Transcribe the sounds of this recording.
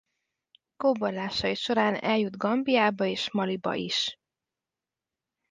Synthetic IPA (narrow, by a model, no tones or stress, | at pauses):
koːbolːaːʃɒiʃo̞ɾaːnɛ̰ljud̪ɡɒmbijaːbɒeːʃmɒlibɒ̰ʔḭʃ